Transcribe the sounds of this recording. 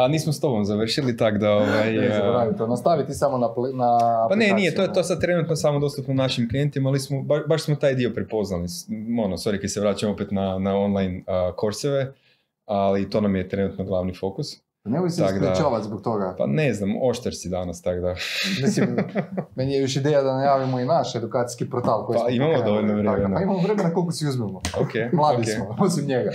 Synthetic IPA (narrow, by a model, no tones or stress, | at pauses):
aniːsmost̪o̞bo̞mzaʋr̩ʃilit̪aɡd̪aoʋajzɾait̪onost̪aʋit̪isamonapnapanennijet̪ojet̪o̞sad̪̚t̪ɾe̞nut̪nosamod̪o̞st̪upnonaʃimklijent̪imaalismobaʃbaʃsmot̪aːjd̪io̞pɾɛpo̞znalionosoɾikad̪seʋɾaːt͡ʃamopet̪nanao̞nlˠajnəko̞ɾseʋe | alit̪o̞namjet̪ɾenut̪noɡlˠaʋnifo̞kus | neboseaaɡd̪at͡ʃaːʋat̪ʲzbok̚t̪oɡapa̰neznamo̞ʃt̪eɾsid̪anast̪aɡd̪amisimmenijejoʃid̪ejad̪anajaːʋimoinaʃed̪ukaːt̪i̥skipɾot̪alˠkojaimamod̪o̞ʋoʎnoʋɾemmenaaimamoʋɾemenakolkosiuzmɛmookʰemlˠad̪ikesmoposimɲeɡa